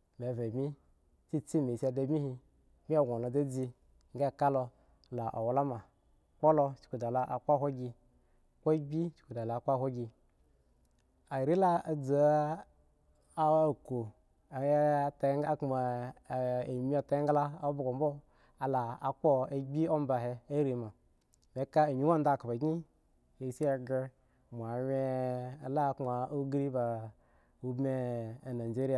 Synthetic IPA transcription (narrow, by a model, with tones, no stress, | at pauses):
m˨e˨ve˨mi˦ | t͡si˦t͡si˦me˨sa˧da˧˨mi˦hi˧ | mi˦a˦˨ɡʷo˨lo˨d͡za˦d͡zi˧ | ŋ˦ɡa˦˨ka˦lo˧ | la˨ʔo̰˨wla˦ma˨ | k͡po˦lo˧t͡ʃi̥˨ku˨da˨la˨ʔa˨ka˦˨ɦʷo˦ɡʲi˧ | ko˦ɡ͡bʲi˦t͡ʃi̥˨ku˨da˨la˨k͡pa˦˨hʷo˦ɡʲi˧ | a˨ɾi˦la˦a˨d͡zu˨ | a˦˨ko˨ | a˨jta˨˦ŋ˦ɡa˦kma˨ | e˨mi˦a˨ta˨˦ɡa˦la˦a˦bo˨ɡo˨m˦bo˦ | a˨la˨a˨k͡po˦e˨ɡ͡bʲi˦o˦m˦ba˨ɦe˧a˦ɾi˨ma˨ | me˨˦ka˦a˨mi˦wa˦n˦da˦˨ka˨ba˨ɡi˦ | e˨si˦a˨ɡe˧ | mʷ˨a˨wʲe˦a˨la˦kma˨o˦ɡɾi˦ba˨ | u˦bme˦a˨na˨d͡ʒe˦ɾi˦a˨